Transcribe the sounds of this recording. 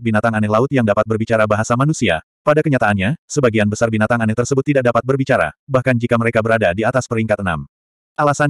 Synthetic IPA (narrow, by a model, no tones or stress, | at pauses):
binat̪aŋanɛlaʊt̪̚jaŋdapat̪̚bərbit͡ʃaɾabaɦasamanusia̰ | padakəɲat̪aːnɲasəbaɡianbəsarbinat̪aŋanɛt̪ərsəbʊt̪ːidak̚dapat̪̚bərbit͡ʃaɾa̰bahkand͡ʒikaməɾekabəɾadadiat̪aspəɾiŋkat̪əna̰m | ʔalasan